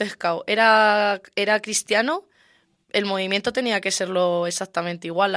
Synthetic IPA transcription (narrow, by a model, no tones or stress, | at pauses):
ehkawʔe̞ɾae̞ɾakɾist̪jano | e̞lmo̞β̞imjent̪ot̪e̞niakese̞ɾlo̞e̞sak̚t̪amẽnt̪eiɣwal